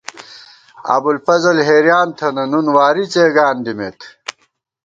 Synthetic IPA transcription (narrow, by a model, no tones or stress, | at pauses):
a̰ːbulfɐzɐlɦeːɾjaːnt̪ʰɐnɐnunwaːɾit͡seːɡaːnd̪imeːt̪ʰ